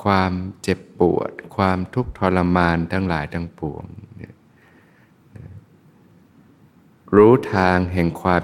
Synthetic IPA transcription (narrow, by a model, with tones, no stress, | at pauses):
kʰwaː˧mt͡ɕe˨˩pːṵ˨˩ət̪̚kʰwaː˧mt̪ʰu˦˥k̚t̪ʰɔː˧lːa˧maː˧nt̪ʰa˦˥ŋlaː˩˦jt̪ʰa˧ŋpu˨˩˦əŋn˧˥ | n˧˩ | ɾuː˦˥t̪ʰaː˧ŋɦɛ˨˩ŋkʰwaː˧m